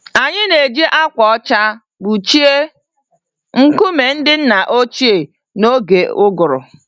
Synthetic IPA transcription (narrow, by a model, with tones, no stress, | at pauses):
a˨ɲɪ˦ne˨d͡ʒe˦ʔa˦kʷɔ˨ɔ˦t͡ʃa˦ | bu˨t͡ʃi˦e˦ | ŋ̩˦ku˦me˨n̩˦dɪ˦n̩˦na˨ʔo˦t͡ʃi˦e˨ | no˦ɡe˨ʊ˦ɡʊ˨ɾʊ̰˨